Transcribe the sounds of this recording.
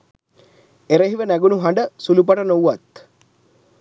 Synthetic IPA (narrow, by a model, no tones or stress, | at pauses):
eɾeɦiʋənæɡunuɦaɳɖəsulup̬aʈənouʋat̪